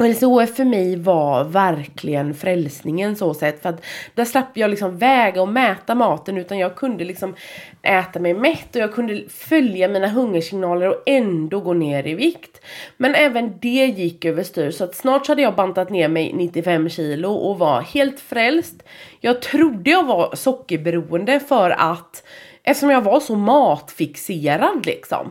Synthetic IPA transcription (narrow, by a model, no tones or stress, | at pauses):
ɛlsɔfœɾmɛjvavæɾkʰlɪɡənfɾɛlsnɪŋənsoːsɛt̪ːfœɾat̪d̪̥æɾʂlɛpːt̪əjɑːlɪksɔmvɛːɡaɔmɛːt̪amɑːt̪ənʉ̟ːt̪anjɑːɡ̚kʰɵnd̪əlɪksɔm | ʔɛːt̪amɛjmɛt̪ːɔjɑːɡkʰɵnd̪əfœljamiːnaɦɵŋːəʂɪŋnɑːləɾɔɛnd̪oɡɔt̪ːnːeːɾɪvɪkt̪mɛnɛːvənd̪ɛjɪkːøːvəʂt̪yːɾsɔat̪snɑːʈʂhad̪ːəjɑːɡbant̪at̪neːɾmɛjnɪt̪ːɪfɛmːɕiːlʊʔɔva̰heːlt̪fɾɛlst̪jɑːɡ̚t̪ʰɾʊd̪ːəjɑːɡvaɾsɔkːəɾbɛɾuːənd̪əfœɾa̰t̪ʔɛft̪ə̥ʂɔmjɑːɡvaɾʂɔmɑːt̪fɪkseːɾad̪lɪ̰ksɔ̰m